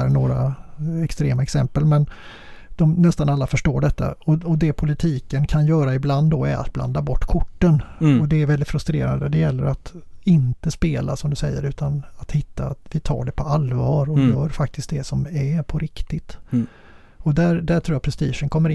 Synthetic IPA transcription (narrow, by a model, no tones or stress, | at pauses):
æɾɳoːɾa̰ɛkst̪ɾeːmaɛksɛmpəlmɛn | d̪̥ɔmnɛst̪analːafœʂʈoːɖɛt̪ːa̰ɔɔd̪ɛpʰʊlɪt̪ʰiːkənkʰanjœːɾaɪbland̪ːɔɛɾa̰t̪̚bla̰nd̪abɔʈːkʰʊʈːənɔd̪ɛːɾvɛld̪ɪt̪fɾɵst̪ɾeːɾa̰nd̪əd̪ɛjɛlːəɾat̪ɪnt̪əspeːlasɔmd̪ɵsɛjːəɾʉ̟ːt̪ʰanat̪hɪt̪ːat̪vɪt̪ʰɑ̰ːɖɛpʰɔalvɑːɾɔjœːɾfak̚t̪ɪst̪̚d̪ɛsɔmɛpʰɔɾɪkt̪ɪt̪ | ɔd̪æɾd̪æʈʰɾuːjapʰɾɛst̪ḭːʂənkʰɔmːəɾɪ